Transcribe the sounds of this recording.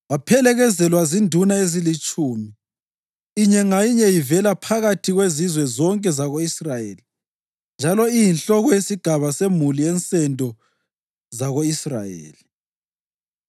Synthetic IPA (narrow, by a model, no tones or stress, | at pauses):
wapʰɛlɛɣɛzɛlwazindʱunaezilit͡ʃʼuːmi | iɲɛŋajiɲɛjivɛlapʰaɣatʰiɣwezizwɛzɔŋkʼɛzaɣoisrajḛːli | nd͡ʒʱalɔijinɬɔɣɔjesiɡ̥ʱaβasemuliɛnt͡sʼɛndʱɔ | zaɣoisra̰jḛːli